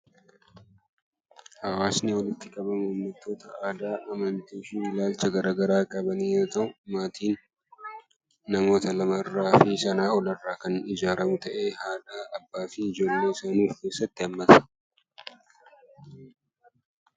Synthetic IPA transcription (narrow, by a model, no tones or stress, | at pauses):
hɐwaːsnɪwɔlɪt̪ːɪkʼɐbɐmʊnːɐt̪ːo̞ːt̪ɐaːd̪aːʔɐmɐnt̪iːʃiːɪlaːlt͡ʃɐɡɐɾaːɡɐɾaːkʼɐbɐniːjoːt̪ɐʔʊmaːt̪ʰiːn | ɐmo̞ːt̪ɐlɐmɐrːaːfiːsɐnaːɔlɐrːaːkɐnɪd͡ʒaːɾɐmʊt̪ɐʔe̞ːhaːᶑaːʔɐbːaːfiɪd͡ʒo̞ːlːe̞ːsɐnuːfke̞ːsːɐt̪ːɪɐmːɐt̪ɐ̥